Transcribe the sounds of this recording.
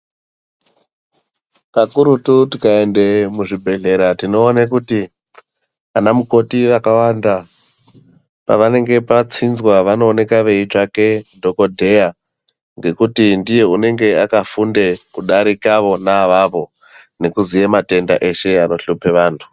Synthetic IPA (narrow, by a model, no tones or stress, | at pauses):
pakuɾututikae̞nde̞muʐibʱe̞ɮe̞ɾatino̞ːnakuti | anamuko̞tiʋakawaːnda | pa̰ʋane̞ŋɡe̞pat͡sinzwaʋano̞ːne̞kaʋe̞it͡ʂake̞ndo̞ko̞dʱe̞ja | ŋɡe̞kutindije̞une̞ŋɡe̞akafundekuɗaɾikaʋo̞naʋaʋo̞ | ne̞kuzijemate̞nda̰ʔe̞ʃe̞ano̞ɬupe̞ʋaːntʰu̥